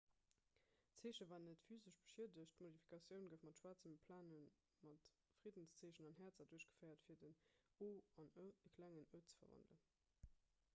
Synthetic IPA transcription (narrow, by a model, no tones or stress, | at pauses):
t͡seːɕəvaːnːətfyːzəʃb̥ə̥ʃiədəɕtmodifi̥kʰɑsjəʊnɡəfmɑtʃwaːt͡səmpʰlaːnən | mɑt | fʁ̥idənst͡seːɕənɑnɦæːɐt͡sɐduɐɕɡ̥ə̥fɜɪɐtfiːɐdənoːɑnəkʰlæŋənəʊtt͡sə̥fɐ̰vɑ̰ndlə̰n